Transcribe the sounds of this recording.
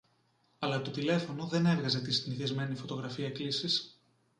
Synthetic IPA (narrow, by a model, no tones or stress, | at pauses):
ɐlɐt̪ot̪ile̞fo̞no̞ðe̞ne̞ɾɣɐze̞t̪ist̪inθezme̞nifo̞t̪o̞ɣɾɐfiɐklisis